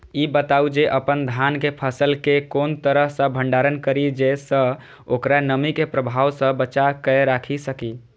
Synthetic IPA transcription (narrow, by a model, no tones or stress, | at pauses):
ibət̪aud͡ʒeʔəpənd̪ʱankepʰəsəlkekont̪əɾəɦsə̃bʱəɳɖaɾənkəɾid͡ʒesə̃ | okɾanəmikepɾəbʱawsə̃bət͡ʃakəeɾakʰisəki